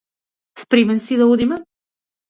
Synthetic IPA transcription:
spɾimənsiðɐuðimə

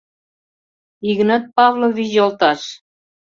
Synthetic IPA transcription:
iɣənət̪̚pɑvloβiʑolt̪ɑʃ

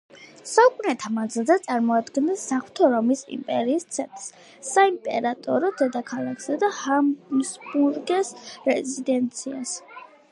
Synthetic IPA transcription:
saukʼunɛt̪ʰamand̪zilˠzɛt̪sʼaɾmɔad̪ɡɛnɛsːaχwt̪ʰɔɾɔmisḭmpʼɛɾiːst̪sʰɛnt̪ʼɾs | sːaimpʼɛ̰ɾat̪ʼɔɾɔd̪̥ɛd̪akʰalˠakʰsad̪ahasmulɡɛsɾɛzid̪ɛnt̪sʰias

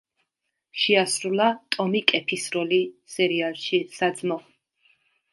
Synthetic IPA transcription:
ʃɛasɾulat̪ʼɔmikʼɛpʰisɾɔlisɛɾialˠʃisad̪zmɔ

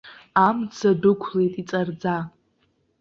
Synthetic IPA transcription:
amt͡sʰadʊkʷʰlejtʼit͡sʼard͡za

